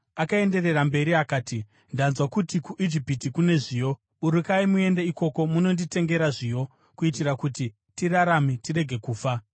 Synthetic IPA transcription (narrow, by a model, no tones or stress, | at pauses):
akae̞nde̞re̞rambe̞ɾiakaːti | ndanzwakutikuʔid͡ʒipitikune̞ʐiːjo̞ | uɾukaimue̞ndeiko̞ko̞muno̞ndite̞ŋɡe̞ɾaʐiːjo̞ | kuitirakuti | tiraɾamitire̞ɡʱe̞kuːfa